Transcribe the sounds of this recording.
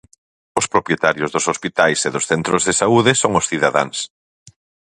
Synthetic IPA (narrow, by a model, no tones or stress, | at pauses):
ʊspɾopjet̪aɾjʊzðʊsospit̪ajseðʊsθɛnt̪ɾʊzðesauðɪsoŋʊsθiðaða̰ŋs